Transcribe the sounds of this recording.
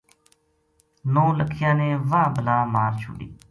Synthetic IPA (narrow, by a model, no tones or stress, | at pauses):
nõːləkʰɪjãːneːʋaːbəlaːmaːɾt͡ʃʰʊ̰ːɗḭː